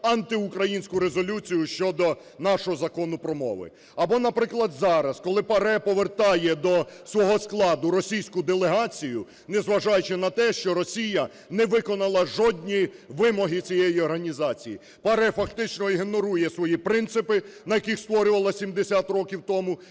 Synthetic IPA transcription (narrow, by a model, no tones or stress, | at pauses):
ɐnt̪ɪukɾɐjinʲsʲkʊɾezɔlʲut͡sʲijʊʃt͡ʃɔd̪ɔ | nɑʃɔɦɔzɐkɔnʊpɾɔmɔ̰ʋɪ̰ | ɐbɔnɐpɾɪklˠɐd̪zɑɾɐskɔlˠɪpɐɾɛpɔʋert̪ɑjɛd̪ɔsʋɔɦɔsklˠɑd̪ʊɾɔsʲijsʲkʊd̪elˠeɦɑt͡sʲijʊ | nɛzʋɐʒɑjʊt͡ʃɪnɐt̪ɛʃt͡ʃɔɾɔsʲijɐ | nɛʋɪkɔnɐlˠɐʒɔd̪ʲnʲiʋɪmɔɦɪt͡sʲijejiɔrɦɐnʲizɑt͡sʲiji | pɐɾɛfɐkt̪ɪt͡ʃnɔiɦenɔɾujɛsʋɔjipɾɪnt̪sɪpɪnɐjɐkixst̪ʋɔɾʲʊʋɐlˠɐsʲimd̪esʲat̪rɔkʲiwt̪ɔmu